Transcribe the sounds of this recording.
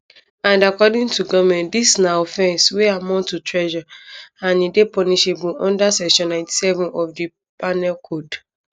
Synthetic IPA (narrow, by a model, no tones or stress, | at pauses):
ãndakɔdĩntuɡɔmɛ̃ntdisnaɔfɛ̃nsweamɔ̃tutɹɛʒɔãnidepɔniʃebulɔ̃ndasɛʃɔ̃nãɪ̃ti̥sɛvũnɔfdi | panɛlkʰod